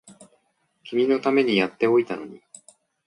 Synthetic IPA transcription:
kʲimʲino̞t̪ame̞ɲ̟ijat̪ːe̞o̞it̪ano̞̰ɲ̟i

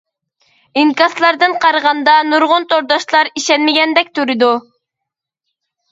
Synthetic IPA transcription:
iŋkɑslˠɑɾd̪ɨnqʰɑɾʁɑnd̪ɑnuɾʁʊnt̪ʰoɾd̪ɑʃlˠɑɾiʃɛnmɪɡʲɛnd̪ɛk̚ʲt̪ʰuɾɨd̪u

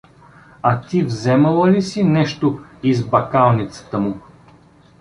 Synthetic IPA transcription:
at̪ivzɛmɐlˠəlisinɛʃt̪oizbɐkalˠnit̪sə̥t̪əmʊ

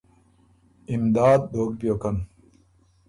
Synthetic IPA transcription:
imd̪aːd̪̚bʱoːk̚pjoːkɐn

